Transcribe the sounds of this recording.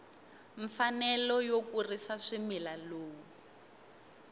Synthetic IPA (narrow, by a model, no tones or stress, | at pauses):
ɱfanɛlɔjokurisaʂimilaloːwu